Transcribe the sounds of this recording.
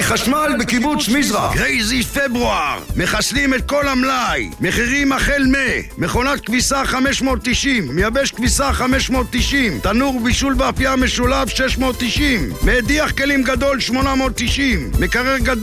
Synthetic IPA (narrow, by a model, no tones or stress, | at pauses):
χaʃmalbekibut͡smizʁaɡʁejzifebʁuaʁme̞χaslimet̪̚ko̞lhamlajmeχiʁimaχelmemeχo̞nat̪̚kvisaχameʃmo̞ːt̪ːiʃimːejabeʃkvisaχameʃmo̞t̪ːiʃimt̪anuʁbiʃulveafiameʃulavʃeʃmo̞ːt̪ːiʃimːeːd̪iaχke̞limɡad̪o̞lʃmo̞namo̞t̪ːiʃimːekaʁeʁɡad̪